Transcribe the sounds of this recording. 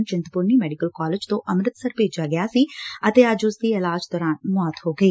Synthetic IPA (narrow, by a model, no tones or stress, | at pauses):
nd͡ʒɪ̃nt̪pʊɾnimɛːɖɪkəlkaːlɪd͡ʒt̪õʔɐmɾət̪səɾpeːd͡ʒaːɡɪjaːsiət̪eːəd͡ʒʊsd̪iɪlaːd͡ʒd̪ɔːɾãːnmɔːt̪ɦoːɡəiː